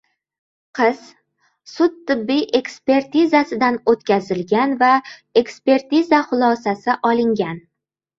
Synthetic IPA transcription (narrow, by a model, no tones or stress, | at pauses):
qʰɨz̥ | sʊt̪ʰːɪbːijʔe̞kspe̞ɾt̪izasɪd̪anot̪kʲazɪlɡʲanvae̞kspe̞ɾt̪izaχʊlˠɒsasɪʔɒlˠɪŋɡʲan